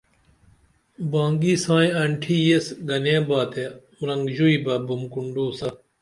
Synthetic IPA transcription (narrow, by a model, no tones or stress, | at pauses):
bãːŋɡiːsãːĩɐɳʈʰiːjesɡɐnẽːbaːt̪ʰemɾɐŋɡʑuiːbɐbumkuɳɖuːsɐ